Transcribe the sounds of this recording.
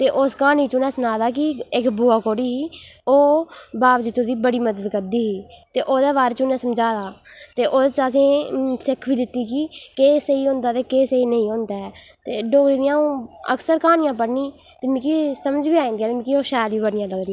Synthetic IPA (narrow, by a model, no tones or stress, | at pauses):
t̪eːʔʊskaːniːt͡ʃʊːnɛ̃ːsənaːd̪aːk̬ɪɪkbuːaːkoːɽiːɦiːoːbaːʋd͡ʒɪt̪õd̪iːbəɽiːməd̪əd̪kəɾd̪iːɦiːt̪eːʔoːd̪eːβaːɾet͡ʃunɛ̃ːsəmd͡ʒaːd̪aːt̪eːʔoːt͡ʃasĩːsɪkʰbiːd̪ɪt̪ːiːkikeːseiːɦʊ̃nd̪aːt̪eːkeːseiːnəĩːʊ̃nd̪aːɛːt̪eːɖoːɡɾiːd̪ɪjãːũːə̰ksəɾkaːnɪjãːp̬əɽnĩː | t̪eːmikisəməd͡ʒʋiːaːĩnd̪iaːt̪emĩkiːoːʃaːlʋiːbəɽnɪjãːləɡ̪iː